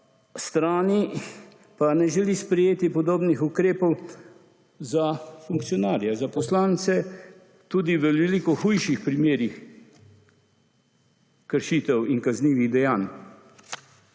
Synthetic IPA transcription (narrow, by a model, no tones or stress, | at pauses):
st̪ɾaːni | panɛʒɛlispɾɛjeːt̪ipɔd̪oːbnixukɾeːpɔw | zafuŋk̚t̪sijɔnaːɾjɛzapɔslaːnt̪sɛ | t̪uːd̪iʋɛlilikɔxujʃixpɾimeːɾix | kəɾʃiːt̪ɛwinkazniːʋiɣd̪ɛjaːn